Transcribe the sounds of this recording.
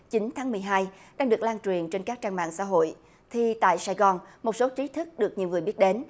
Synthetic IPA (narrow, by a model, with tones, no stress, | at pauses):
t͡ɕi˨˦ŋt̪ʰaː˨˦ŋmɨ˨˩əjɦaː˧jɗaː˧ŋɗɨ˨˩ək̚laː˧nt͡ɕwi˨˩ənt͡ɕe˧nkaː˦˥k̚t͡ɕaː˧ŋma̰ː˧˨ŋsa̰˧˥ɦo̰˧˨j | t̪ʰi˨˩t̪a̰ː˧˨jsaː˧jɣɔ˨˩nmo˨˩t̚so˨˦t͡ɕi˨˦t̪ʰɨ˦˥k̚ɗɨ˨˩ək̚ɲi˨˩əwŋɨ˨˩əjɓi˦˥ət̚ɗe˨˦n